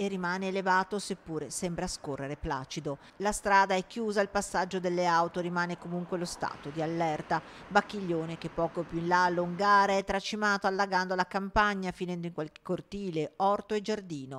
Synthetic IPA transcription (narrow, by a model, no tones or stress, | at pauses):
erːimaːneːlevaːt̪osepːuːɾesɛmbɾaskorːeɾepla̰ːt͡ʃid̪o | last̪ɾaːd̪aɛkːjuːzailpasːad͡ʒːod̪elːeawt̪oɾimaːnekomuŋkwelost̪a̰ːt̪od̪ialːɛrt̪abakːiʎːoːnek̟epːɔːkopjuinlalːouŋɡaːɾeɛt̪ːɾat͡ʃimaːt̪oalːaɡand̪olakampaɲːafinɛnd̪oiŋkwalke̥kːort̪iːleɔrt̪oed͡ʒard̪iːno